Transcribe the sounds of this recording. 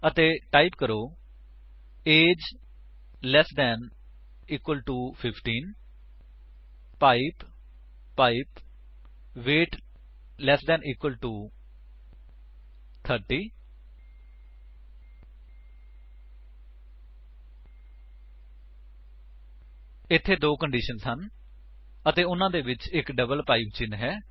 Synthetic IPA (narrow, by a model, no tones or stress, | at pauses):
ət̪eːʈaːipkəɾoː | eːd͡ʒ | lɛːsd̪ɛːn | iːkwəlʈuːpʰɪpʰʈĩːn | aːipː | aːip | ʋeːʈ | lɛːsd̪ɛ̃ːnʔiːkwəlʈuː | t̪ʰəɾʈiː | ɪt̪ʰːeːd̪oːkəɳɖiːʃənsən | ət̪eːʊnãːd̪eːʋɪt͡ʃɪkɖəbəlpaːiːpt͡ʃɪnɦɛː